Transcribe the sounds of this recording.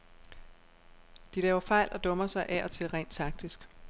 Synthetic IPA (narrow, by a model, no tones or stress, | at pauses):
d̥ilɛːʊɐfɑ̈ɪ̰lʔɒ̽d̥ɔ̽mɐsɑ̈ɪʔæʔɒ̽t͡sʰe̝lʁɛ̰ːnd̥t͡sʰɑ̈ɡ̥̚d̥isɡ̥